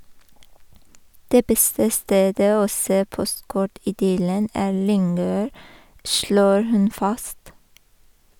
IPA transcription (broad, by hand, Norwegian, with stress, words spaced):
ˈdeː ˈbɛstə ˈsteːdə ˈoː ˈseː ˈpɔstˌkɔʈ ɪˈdʏlən ˈæːɾ ˈlʏŋøːɾ ˈʃloːɾ ˈhʉn ˈfɑst